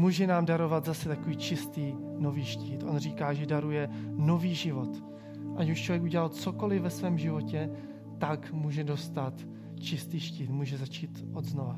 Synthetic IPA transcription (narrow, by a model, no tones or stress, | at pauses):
muːʒɛnaːmdaɾo̞vad̪zasɛt̪akoviːt͡ʃɪst̪iːnoviːʃciːt̪ʔo̞̰nr̝iːkaːʒɛdaɾujɛno̞viːʒɪvo̞t̪ | ʔacuʃt͡ʃlovjɛk̬uɟɛlalt͡sokolɪvɛsvɛːmʒɪvo̞cɛ | t̪akmuːʒɛdo̞st̪at̪ | t͡ʃɪst̪iːʃciːt̪muːʒɛzat͡ʃiːt̪ʔod̪znova